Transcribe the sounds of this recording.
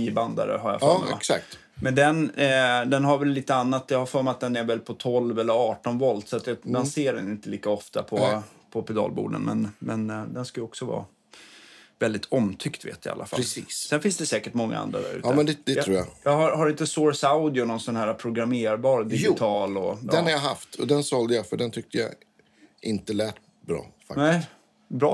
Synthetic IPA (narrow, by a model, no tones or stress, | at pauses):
iəband̪a̰ɾə̰ɦaɾja̰fɔm̰ɛ̰ksak̚t̪ | mʔɛnd̪ɛnd̪ɛnɦaɾvɛlːiːt̪əanːat̪ːjahaɾfɔɾmat̪̚d̪ɛnɛɾvɛlpʰɔt̪ʰɔlvɛlːəɾɑːʈɔnvɔld̪sɔat̪jɑd̪anseːɖɛnɪnt̪əliːkaɔft̪a̰pʰɔpʰɔpɛd̪ɑ̰ːlbṵːɖə̰nmɛnmɛnd̪ɛnskajɔksɔvɑ̰ː | vɛld̪ɪt̪ʰɔmt̪ʰʏkt̪vḛːt̪jɪa̰a̰lːʔa̰falsiːssɛnfɪnsd̪ɛsɛːkəʈmɔŋːa̰a̰nd̪ɾa̰d̪æ̰ɾʉ̟ːtːmɛnd̪ɛd̪ɛt̪ɾuːja̰jɑɦaɾhaɾɪnt̪əsɔːɹsaʊd̪ɪʊnɔnsɔnhæːɾapʰɾʊɡɾameːɾbɑːɾd̪ɪɡɪt̪ʰɑːlɔɛnhaɾjaɦa̰ft̪ʰɔ̰d̪ɛnsɔld̪əjafœɖɛnt̪ʰʏk̚t̪əja̰ | ɪnt̪əlæːʈ | bɾɑ̰ːfa̰knɛ | bɾɑː